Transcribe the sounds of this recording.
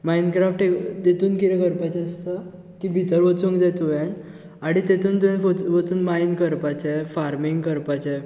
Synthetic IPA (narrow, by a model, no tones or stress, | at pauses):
mainkɾafʈed̪et̪uːnkiɾɛ̃kəɾpat͡ɕeəst̪ə | kibʱit̪əɾʋət͡sũŋɡd͡zɛ̃t̪uʋãn | aɽ̃it̪et̪uːnt̪uʋjãnət͡sʋət͡suːnmainkəɾpat͡ɕɛfaɾmiŋɡkəɾpat͡ɕɛ̃